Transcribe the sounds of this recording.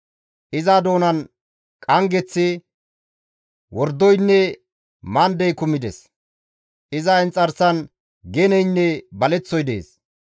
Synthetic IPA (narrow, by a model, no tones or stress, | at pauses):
ʔɪzad̪o̞ːnɐn | kʼɐŋɡɛt͡sːɪ | wɔɾd̪ːɔjnːɛ | mand̪ɛjkʊmːɪd̪ɛs | ʔɪzɐɛnt͡sʼɐɾsɐn | ɡɛnɛjnːɛbɐlɛt͡sːɔjd̪ḛːs